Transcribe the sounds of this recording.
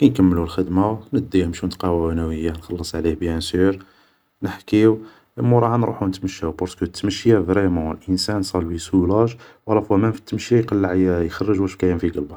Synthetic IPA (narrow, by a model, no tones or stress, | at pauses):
kænkəmːəlulxəd̪manəd̪ːimʃunt̪qɑwæwænæwəjːanxɑlːəsˤʕlihbjænsuɾ | nəħkiw | ʔəmːuɾˤɑhɑnɾˤṵħunət̪məʃːæwbɑɾskut̪ːməʃːjavɾimɑ̃lʔənsænsˤɑlwisulɑʃwɑlːɑfuæmænfi̥t̪ːməʃjajqɑlːəʕjjxɑrˤːəʒuæʃkæjæmfiɡəlbɑˤ